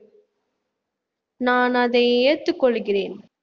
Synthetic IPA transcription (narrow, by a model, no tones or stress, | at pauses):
naːnɐðɐɪɛjɐt̪ːɯkːɔɭːɣɪreːn